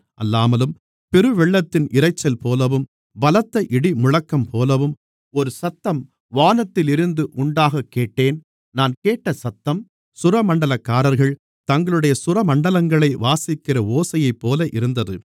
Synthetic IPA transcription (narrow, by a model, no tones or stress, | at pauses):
ʔɐlːaːmɐlɯm | pɛɾɯʋɛɭːɐt̪ːɪnʔɪɾɐɪt͡ʃːɐlpoːlɐʋɯm | ʋɐlɐt̪ːɐʔɪɽimʊɻɐkːɐmpʰoːlɐʋɯm | ɔɾɯsɐt̪ːɐm | ʋaːnɐt̪ːɪlɪɾɯnd̪ɯʔʊɳɖaːɣɐkːeːʈːeːn | naːnkeːʈːɐsɐt̪ːɐm | sʊɾɐmɐɳɖɐlɐkːaːɾɐɾɣɐɭ | t̪ɐŋɡɐɭɯɽɐjɐsʊɾɐmɐɳɖɐlɐŋɡɐɭɐɪʋaːsɪkːɪrɐoːsɐjɐɪpːoːlɐʔɪɾɯnd̪ɐðɯ